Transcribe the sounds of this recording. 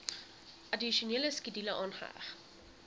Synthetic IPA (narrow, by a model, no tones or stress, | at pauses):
ʔɐdiʃuniələskidiləʔɑːnχəæ̰χ